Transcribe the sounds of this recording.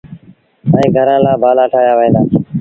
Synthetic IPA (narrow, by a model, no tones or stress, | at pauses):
əĩːɡʱəɾãːlaːbaːlaːʈʰaːjaːʋəẽːd̪aː